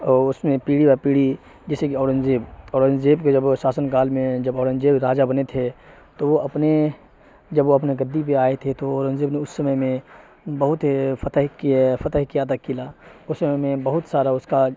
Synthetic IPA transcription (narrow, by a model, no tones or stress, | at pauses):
ɔːɾʊsmẽpiːɽibaɾpiːɽi | d͡ʒɛːsekiɔːɾə̃nd͡ʒeːbɔːɾə̃nd͡ʒeːbked͡ʒəbʃaːsənkaːlmẽd͡ʒɐbɔːɾə̃nd͡ʒeːbɾaːd͡ʒabɐnet̪ʰe | t̪oʋoʔɐpne | d͡ʒɐbʋoɐpneɡəd̪ːip̬eaːet̪ʰet̪oɔːɾə̃nd͡ʒeːbneʊsːəməjmẽ | bəɦʊt̪fɐt̪əɦkfʰɐt̪əɦkijat̪ʰakilaʊsːəməmẽbɐɦʊt̪saːɾaʊska